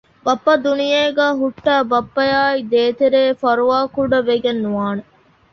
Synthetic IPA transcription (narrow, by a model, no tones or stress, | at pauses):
bɐpːɐd̪unijeːɡæːɦuʈːæːbɐpːɐjaːid̪eːt̪eɾeːfɐɾuʋaːkuɖɐʋeɡenːuʋaːne